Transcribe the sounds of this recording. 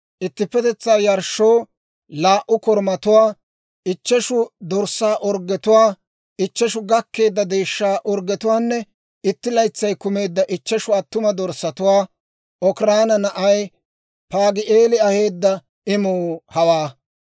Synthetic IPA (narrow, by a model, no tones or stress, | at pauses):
ʔɪt̪ːɪpːɛt̪ɛt͡sːaːjɐɾʃːoː | laːʔʊkɔɾmɐt̪ʊwaː | ɪt͡ʃːɛʃʊd̪ɔɾsaːʔɔɾɡɛt̪ʊwaː | ɪt͡ʃːɛʃʊɡɐkːe̞ːd̪ːɐd̪eːʃːaːʔɔɾɡɛt̪ʊwaːnːɛ | ɪt̪ːɪlɐjt͡sːɐjkʊme̞ːd̪ːɐʔɪt͡ʃːɛʃʊɐt̪ːʊmɐd̪ɔɾsːɐt̪ʊwaː | ʔɔkɾaːnɐnɐʔɐj | paːɡɪʔeːlɪɐheːd̪ːɐ | ɪmuːhɐwaː